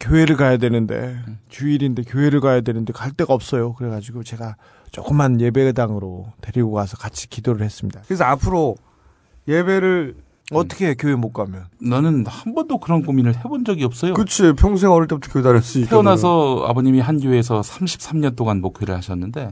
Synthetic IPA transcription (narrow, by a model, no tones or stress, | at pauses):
kjoɦe̞ɾɯɭkajadwe̞nɯnde̞̰t͡ɕuiɾinde̞kjoe̞ɾɯɭkajadwe̞nɯnde̞kaɭt͈e̞ɡaʌp̚s͈ʌjokɯɾe̞ɡad͡ʑiɡot͡ɕe̞ɡa | t͡ɕ͈o̰k͈ɯmɦanje̞be̞daŋɯɾote̞ɾiɡoɡasʰʌkat͡ɕʰi̥kidoɾɯɭhe̞s͈ɯmɲidakɯɾes̬ʰʌapʰɯɾo | je̞be̞ɾɯɭ | ʌt͈ʌ̥kʰe̞kjoemok͈amjʌnnʌnɯnhambʌndokɯɾʌnkominɯɭɦe̞bond͡ʑʌɡiʌp̚s͈ʌjokɯt͡ɕʰipʰjʌŋs̬ʰeŋʌɾɯɭt͈e̞butʰḁkjowedaɾjʌs͈uieonasʰʌa̰boɲimiɦanɡjoeːsʰʌsʰamɕʰi̥p̚s͈ʰamɲʌnt͈oɡanmokʰjoɾɯɭhaɕʰʌnːɯnde̞